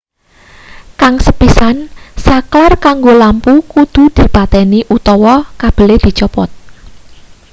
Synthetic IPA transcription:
kaŋsəpisansaklarkaŋɡolampukud̪̥ṳd̪̥i̤pat̪ɛniʔut̪ɔwɔkab̥ə̤led̪̥i̤t͡ʃɔpɔt̪̚

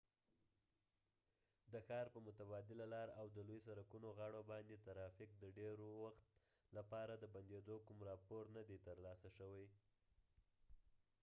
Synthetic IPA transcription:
d̪əxɑɾpəmʊt̪abɑd̪ɪlalɑɾawd̪əlojsaɾakunoɣaɽobɑnd̪et̪aɾɑfɪk̚d̪əɖeɾowaxt̪ | lapɑɾad̪əband̪ed̪okumɾɑpoɾnad̪et̪əɾlɑsaʃəwaj

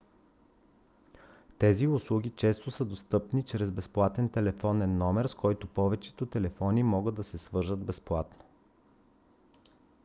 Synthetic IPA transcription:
t̪ɛziʊslˠuɡʲit͡ʃɛst̪osəd̪ost̪ɤpnit͡ʃɾɛzbɛsplˠat̪ɛnt̪ɛlɛfɔnɛnːɔmɛɾskɔjt̪opɔvɛt͡ʃɛ̥t̪ot̪ɛlɛfɔnimɔɡəd̪ːɐsɛsvɤɾʒəd̪bɛsplˠat̪no̥

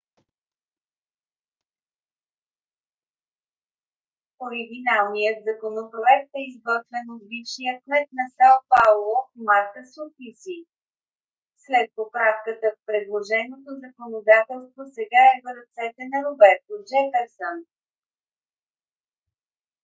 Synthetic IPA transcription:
oɾiɡ̟ʲinalˠnijət̪zɐkonopɾoɛk̚t̪ɛizɡɔt̪vɛnod̪bifʃijəkmɛt̪̚nɐsalˠpaulˠomaɾk̪əsofisi | slɛt̪̚popɾafkət̪əfpɾɛd̪lˠoʒɛnot̪ozəkonod̪at̪ɛlˠst̪vosɛɡaɛvɾɐt̪sɛt̪ɛnɐɾobɛɾt̪od͡ʒɛfɛɾsən

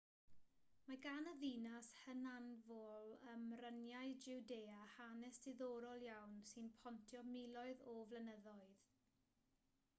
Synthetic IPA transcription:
maɡanəðinashənanvɔlˠəmrənjajd͡ʒɪwdeːahanɛsdɪðɔɾɔlˠjawnsɨnpʰɔntʰjɔmɪlˠɔɨðɔvlənəðɔɨð̥

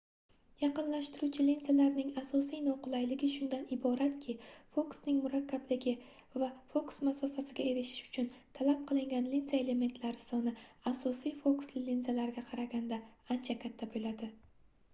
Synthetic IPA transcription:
jɑqɨnlaʃt̪ɪɾut͡ʃʰɪlinzalaɾnɪŋasɒsijnɒqʊlˠajlɪɡʲɪʃʊnd̪anɪbɒɾat̪kʲʰɪfoksnɪŋmʊɾakʲːablɪɡʲɪ | vafoksmasɒfasɪɡʲae̞ɾɪʃɪ̥ʃʊ̥t͡ʃʰʊnt̪ʰalap̚qʰɨlˠɪŋɡʲanlinzae̞le̞me̞nt̪ʰlaɾɪsɒnɪasɒsijfokslɪlinzalaɾɪɡʲaqʰɑɾaɡʲand̪aːnt͡ʃʰakʲʰat̪ʰːabolad̪ɪ

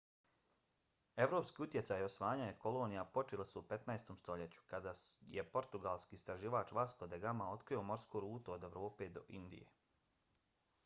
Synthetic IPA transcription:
e̞ʋɾopskiːut̪je̞tsaːjo̞sʋaːɲajeko̞lo̞ːnijapo̞t͡ʃelisuupe̞t̪naest̪omst̪o̞ʎe̞t͡ɕu̥kad̪ajepo̞ɾt̪uɡalˠskiːst̪ɾaʒiːʋaːt͡ʃʋaskod̪eɡamao̞t̪kɾijo̞mo̞ɾskoɾuːt̪uod̪e̞ʋɾo̞ːpe̞ːd̪o̞̰ʔind̪ḭjḛ

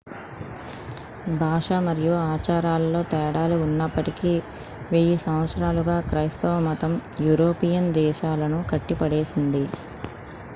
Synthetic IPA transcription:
bʱaːʂɐmɐɾijuaːt͡ʃaːɾaːlɐlo̞ːt̪ɛːɽaːliunːɐpːɐʈiki | ʋeːjisɐmʋɐt̪sɾaːluɡaːkɾɐjst̪ɐʋɐmɐt̪ɐmjuːɾoːpijɐnd̪ɛːʃaːlɐnukɐʈːipɐɽe̞ːsind̪i

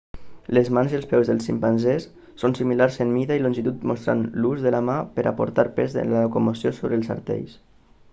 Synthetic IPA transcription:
lezmanziəlˠspɛwzðəlˠsimpanzesː | onsimilaɾsenmiðailonʲʒit̪ut̪most̪ɾa̰nluzðəlamapəɾʔa̰po̰ɾt̪aɾpezḛnlakomosjosoβɾelˠsə̰ɾt̪ɛ̰ʎs

